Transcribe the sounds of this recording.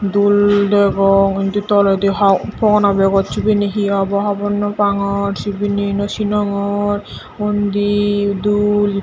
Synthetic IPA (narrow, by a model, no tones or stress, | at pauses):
d̪uld̪ɛɡɔkint̪ut̪ɔlɔd̪iɦɔpɔnabɛɡɔt̪t͡ʃubineɦiɔbɔɦɔbɔnːɔpaŋɔɾt͡ʃubinenɔʃinɔŋɔɾ | mond̪id̪ul